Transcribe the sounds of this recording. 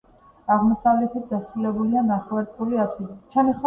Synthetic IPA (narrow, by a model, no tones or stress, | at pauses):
aʁmɔsavlɛt̪ʰit̪̚d̪asχulɛbulianaχlaɾt̪sʼqʼuliapʰsid̪it̪t͡ʃʰanis